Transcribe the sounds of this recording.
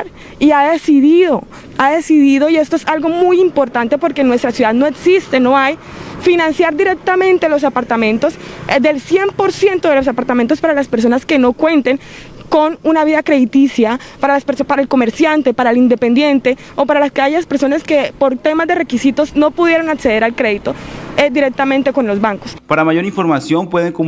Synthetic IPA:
ɾ | iaðesiðiðo̞ | aðe̞siðiðo̞ie̞st̪oesalɣo̞mujimpo̞ɾt̪ant̪e̞po̞ɾkenwe̞st̪ɾasjuðaðnoeksist̪e̞noaj | finãnsjaɾd̪iɾe̞k̚t̪amẽ̞nt̪elo̞s̬apaɾt̪amẽ̞nt̪o̞sd̪e̞lsje̞mpo̞ɾsjent̪o̞ðelo̞sapaɾt̪ament̪̬ospaɾalaspeɾs̬o̞naske̞no̞kwe̞nt̪e̞ŋ | ko̞nunaβiðakɾe̞ðit̪isjapaɾalaspesopaɾaelko̞me̞ɾsjant̪e̞paɾaelind̪e̞pe̞nd̪je̞nt̪e̞ | o̞paɾalaskeaʝaspeɾsonaske̞po̞ɾt̪e̞mazd̪e̞re̞kisit̪o̞zno̞puðje̞ɾo̞nakse̞ð̞e̞ɾalkɾe̞ðit̪o̞ed̪iɾe̞k̚t̪amẽ̞nt̪eko̞nlo̞zβaŋko̞spaɾamaʝo̞ɾiɱfo̞ɾmasjo̞mpweðeŋko

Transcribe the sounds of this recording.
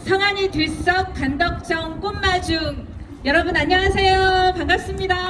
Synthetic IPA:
sʰʌŋaɲitis͈ʌk̚p͈andʌk̚t͡ɕ͈ʌŋk͈omːad͡ʑuŋ | jʌɾʌbunaɲːʌɦasʰe̞jokaŋɡas͈ɯmɲida

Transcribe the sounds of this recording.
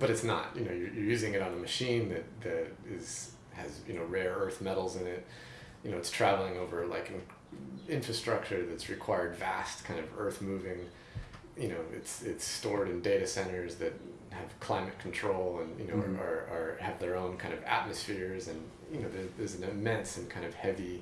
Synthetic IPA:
b̥ʌɾɨtsnə̰tjɨnoʊjə˞jə˞jʉzɪ̃ŋɨɾn̩əmɨʃĩnðɨɾ̚ðɨɾɪz̥ | ɨzjɨñoʊɹɛɹɜ˞θmɛɾl̩ˠzɨ̃nɪt̚ | jɨnoʊɨtstʰɹ̥ævl̩ˠɪ̃ŋoʊvə˞la̰ɪkɨ̃n | ɪ̃ɱfɹɨstɹ̥ʌk̚t͡ʃə˞ðɨtsɹɨkʰw̥aɪə˞dvæstkʰãɪ̃ndʌvɜ˞θmʉvɪ̃ŋ | jɨñoʊɪ̰tsɪtstɔɹɾɨ̃ndeɪɾɨsɛ̃ɾ̃ə˞zðɨt̚ | hɨv̥kʰl̥ãɪ̃mɨt̚kʰn̩tʰɹ̥oʊlˠə̃njɨ̰noʊə˞ə˞ɨvðə˞õʊ̃nkʰãɪ̃ndʌvæ̰t̚mɨsfɪɹzɨ̃n | jɨnoʊðə˞ðə˞zn̩ɨmɛ̃nsɨ̃nkʰãɪ̃ndʌv̥hɛvi

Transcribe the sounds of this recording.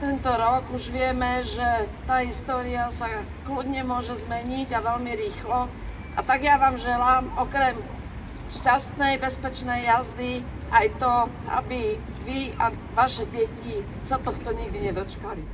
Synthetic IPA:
t̪ɛnt̪ɔɾɔkuʒʋɪɛmɛʒɛt̪aːɦist̪ɔːɾiasa | klud̪ɲɛmʊɔʒɛzmɛɲiɟaʋɛlmiɾiːxlɔ | ʔa̰t̪aɡjaʋaːmʒɛlaːmɔkɾɛm | ʃcast̪nɛjbɛspɛt͡ʃnɛjːazd̪i | ʔajt̪ɔ | ʔa̰bi | ʋia | ʋaʃɛɟɛci | sat̪ɔxt̪ɔɲiɡd̪iɲɛd̪ɔt͡ʃkali

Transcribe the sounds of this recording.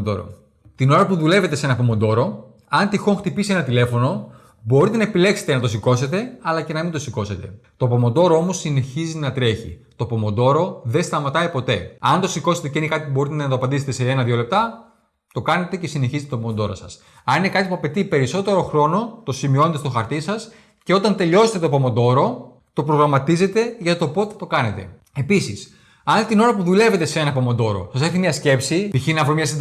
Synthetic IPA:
d̪o̰ɾo̰ | t̪ino̞ɾɐpuðule̞ve̞t̪e̞senɐpomond̪o̞ɾo̞ | ɐnt̪ixo̞ŋxt̪ipisie̞nɐt̪ile̞fo̞no | bo̞ɾit̪e̞nɐepile̞kse̞̥t̪enɐt̪o̞siko̞se̞t̪e̞ɐlɐce̞nɐmind̪o̞siko̞se̞t̪e̞t̪o̞po̞mond̪o̞ɾoo̞mo̞sine̞çizinɐt̪ɾe̞çḭt̪o̞po̞mo̞nd̪o̞ɾo̞ðe̞st̪ɐmɐt̪ɐipo̞t̪e̞ɐnt̪o̞siko̞se̞t̪eceinekɐt̪ipubo̞ɾit̪eenɐt̪oɐpɐnd̪iset̪e̞seenɐðjole̞p̚t̪ɐ | t̪o̞kɐne̞t̪e̞ce̞sine̞çizt̪et̪opomod̪o̞ɾo̰sɐs | ɐnine̞kɐt̪ipuɐpe̞t̪ipe̞ɾiso̞t̪e̞ɾo̞xɾo̞no̞t̪o̞simio̞net̪st̪xɐɾt̪isɐs | ce̞o̞t̪ɐnt̪e̞ʎo̞set̪et̪opo̞mo̞nd̪o̞ɾo̞ | t̪o̞pɾo̞ɣɾɐmɐt̪ize̞t̪e̞ʝɐt̪o̞po̞t̪et̪o̞kɐne̞t̪e̞̰ | e̞pisis | ɐnt̪ino̞ɾɐpuðule̞ve̞t̪e̞see̞nɐpo̞mo̞nd̪o̞ɾo̞̰sɐseθimɲɐsce̞psit̪içinɐvɾomɲɐs̬ind̪

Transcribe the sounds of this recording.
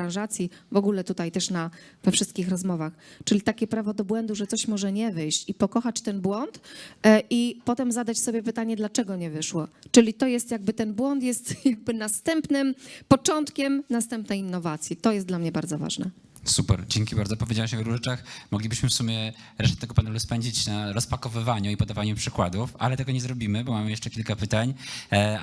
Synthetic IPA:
ɾãwʐat̪sʲjivɔɡulɛt̪ut̪ajt̪ɛʂna | vɛfʂɘst̪̚kʲixɾɔzmɔvaxt͡ʂɘlʲit̪akʲɛpɾavɔd̪ɔbwɛnd̪uʐɛt̪sɔɕmɔʐɛɲɛvɘjɕt͡ɕipɔkɔxat͡ɕt̪ɛnbwɔnt̪ʔipɔt̪ɛmzad̪at͡ɕsɔbʲjɛpɘt̪aɲɛd̪lat͡ʂɛɡɔɲɛvɘʂwɔt͡ʂɘlʲit̪ɔjɛst̪jaɡ̚bɘt̪ɛnbwɔnt̪jɛst̪jaɡ̚bɘnast̪ɛmpnɘmpɔt͡ʂɔnt̪kʲɛmnast̪ɛmpnɛjinːɔvat̪sʲjit̪ɔjɛst̪d̪lamɲɛbaɾd̪zɔva̰ʐnɛ̰ | supɛɾd͡ʑɛŋkʲibaɾd̪zɔpɔvʲed͡ʑawamɕɛvɾuʐɘt͡ʂaxmɔɡlʲibɘɕmɘfsumʲjɛ | ɾɛʂt̪ɛt̪ɛɡɔpanɛluspɛɲd͡ʑit͡ɕnaɾɔspakɔvɘvaɲuipɔd̪avaɲupʂɘkwad̪ufa̰lɛt̪ɛɡɔɲɛzɾɔbʲimɘbɔmamɘjɛʂt͡ʂɛkʲilkapɘt̪aɲ

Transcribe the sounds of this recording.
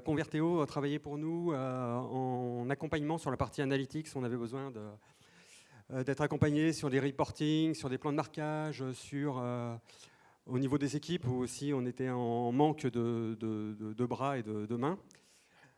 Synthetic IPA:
kɔ̃vɛʁt̪eot̪χavajɛpuʁnuøɑ̃nakɔ̃paɲmɑ̃syʁlapaʁt̪ʰianalit̪iksɔ̃navɛbəzwɛ̃d̪ə | d̪ɛt̪χakɔ̃paɲesyʁleʁipɔʁt̪iŋsyʁleplɑ̃d̪əmaʁkʲaʒsyʁø | onivod̪ezekʲipuosiɔ̃net̪ɛɑ̃mɑ̃kd̪əd̪əd̪əd̪əbʁaed̪əd̪əmɛ̃

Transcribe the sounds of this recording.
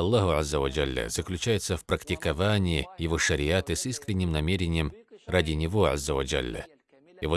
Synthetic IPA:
ɐlˠːaɦʊazːəvɐd͡ʒalʲːə̰zəklʲʉt͡ɕæjɪt̪səfpɾəktʲɪkɐvanʲɪːjɪvoʂəɾʲɪat̪ɨsiskɾʲɪnʲːɪmnɐmʲeɾʲɪnʲɪjəmradʲɪnʲɪvo̞a̰zːəvɐd͡ʒa̰lʲːə̰ | ivo

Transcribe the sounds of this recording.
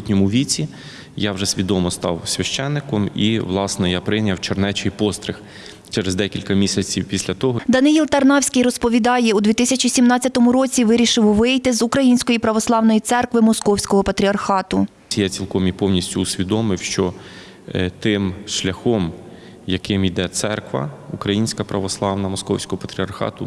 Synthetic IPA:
t̪ʲnʲɔmʊʋʲit͡sʲi | jawʒɛsʲʋʲid̪ɔmɔst̪ɑ̰wsʲʋʲɐʃt͡ʃɛnːɪkɔmiʋlˠɑsnɛjapɾɪnʲɐwt͡ʃernɛt͡ʃɪjpɔst̪ɾɪx | t͡ʃɛɾezd̪ɛkʲilʲkɐmʲisʲɐt͡sʲiwpʲisʲlʲɐt̪ɔɦɔd̪ɐnɪjilˠt̪ɐrnɑwsʲkɪjrɔspɔʋʲid̪ɑjɛud̪ʋʲit̪ɪsʲɐt͡ʃʲisʲimnɑt͡sʲːɐt̪ɔmʊɾɔt͡sʲiʋɪɾʲiʃɪwʋɪjt̪ɪzʊkɾɐjinʲsʲkɔjipɾɐʋɔslˠɑwnɔjit̪sɛrkʋɪmɔskɔwsʲkɔɦɔpɐt̪ɾʲiɐrxɑt̪ʊ | ijɛt͡sʲilˠkɔmʲipɔwnʲisʲtʲʊːsʲʋʲid̪ɔmɪwʃt͡ʃɔ | t̪ɪmʃlʲɐxɔm | jɐkɪmid̪ɛt̪sɛ̰rkʋɐ̰ukɾɐjinʲsʲkɐpɾɐʋɔslˠɑwnɐmɔskɔwsʲkɔɦɔpɐt̪ɾʲiɐrxɑ̰t̪ʊ

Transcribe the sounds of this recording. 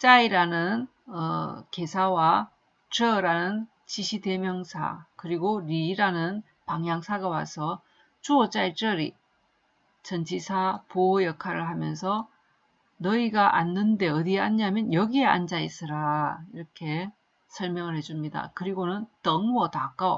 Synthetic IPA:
t͡ɕ͈aiɾanɯn | ʌ̰ke̞sʰawa | t͡ɕʌɾanɯn | t͡ɕiɕʰide̞mjʌŋsʰa̰kɯɾiɡoɾiːɾanɯn | paŋjaŋsʰaɡawa̰sʰʌ | t͡ɕuʌt͡ɕ͈ait͡ɕ͈ʌɾi | t͡ɕʌnd͡ʑʰisʰapoojʌkʰaɾɯɭɦamjʌnsʰʌ | nʌiɡaʔa̰nːɯnde̞ʌdiaɲːamjʌnjʌɡie̞a̰nd͡ʑais͈ɯɾaiɾʌkʰe̞ | sʰʌɭmjʌŋɯɭhed͡ʑumɲida̰kɯɾiɡonɯntʌŋwʌtak͈ao

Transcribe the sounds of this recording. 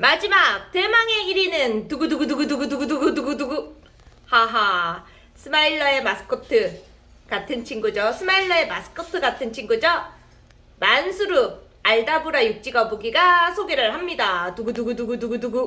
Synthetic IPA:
mad͡ʑimak̚te̞maŋe̞iɾinɯntuɡuduɡuduɡuduɡuduɡuduɡuduɡuduɡu | haɦa | sʰɯmaiɭːʌe̞masʰɯ̥kʰotʰɯ | katʰɯnt͡ɕʰiŋɡud͡ʑosʰɯmaiɭːʌe̞masʰɯ̥kʰotʰɯɡatʰɯnt͡ɕʰiŋɡud͡ʑʌ | mansʰuɾu | aɭdabuɾajuk̚t͡ɕ͈iɡaboɡiɡasʰoɡeɾɯɭhamɲidatuɡuduɡuduɡuduɡuduɡu

